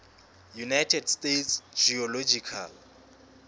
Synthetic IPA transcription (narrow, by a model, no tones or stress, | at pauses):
junajtʰɛdstetsd͡ʒiɔlod͡ʒikʰa̰l